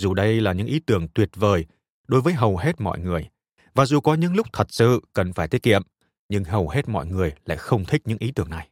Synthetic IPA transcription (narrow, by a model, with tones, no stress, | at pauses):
zu˨˩ɗə˧jlaː˨˩ɲɨ̰˧˥ŋʔi˨˦t̪ɨ˧˩əŋt̪wi˨˩ət̚vəː˨˩j | ɗo˨˦jvəː˨˦jɦə˨˩wɦe˦˥t̚mɔ̰˧˨jŋɨ˨˩əj | vaː˨˩zu˨˩kɔ˨˦ɲɨ̰˧˥ŋlʊ˦˥k͡p̚t̪ʰə˨˩t̚sɨ̰˧˨kə˨˩nfaː˧˩jt̪ʰət̚kḭ˧˨ə˨m | ɲɨ˧ŋɦə˨˩whe˦˥t̚mɔ̰˧˨jŋɨ˨˩əjla̰ː˧˨jxə˧wŋ͡mt̪ʰï˦˥k̚ɲɨ̰˧˥ŋʔi˨˦t̪ɨ˧˩əŋna˨˩j